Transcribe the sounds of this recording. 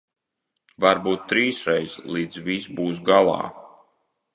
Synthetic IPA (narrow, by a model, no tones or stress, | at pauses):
vaɾbuːt̪ːɾiːsɾɛjslˠiːd̪zvisbuːs̬ɡalˠɑ̰ː